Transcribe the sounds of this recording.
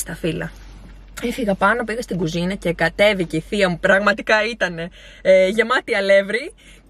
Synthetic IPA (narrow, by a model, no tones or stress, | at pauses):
st̪ɐfilɐ | e̞fiɣɐpɐno̞piɣɐst̪iɡuzinɐce̞kɐt̪e̞viceiθiɐmupɾɐɣmɐt̪ikɐit̪ɐne̞ | ʝe̞mɐt̪iɐlevɾi